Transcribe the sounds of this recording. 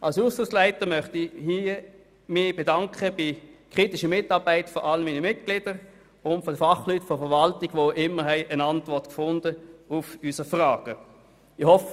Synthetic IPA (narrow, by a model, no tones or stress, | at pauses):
ʔalsuːstʊslæɪtəmœχtɪhi | mɪːb̥edɑŋkχəb̥ɪkʁ̥itɪʃəmɪtɑːʁbæɪtfɔʔaləmiːnəmɪt̚ɡ̥lɪd̥əʁ | ʊntfɔdəfɑχlytfɔfəɐʋɑltɪɡ̥ʋoʔɪmːəɦɛɪʔənantvɔɐtkfʊndəufysəfʁaːɡ̥ə | ɪhɔf